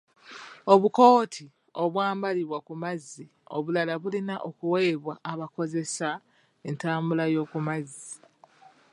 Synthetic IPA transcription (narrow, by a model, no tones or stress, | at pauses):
o̞βuko̞ːtʰi | o̞βwaːmbaliβwakumazːi | o̞̰βulalaβulinaʔokuwe̞ːβwaʔːβako̞ze̞sa | entaːmbulajo̞ːkumazːi